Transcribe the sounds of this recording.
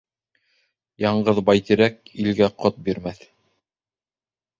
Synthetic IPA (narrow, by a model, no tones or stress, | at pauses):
jɑɴɢɤðbɑjt̪iɾæk̚ilɡæqot̪̚biɾmæθ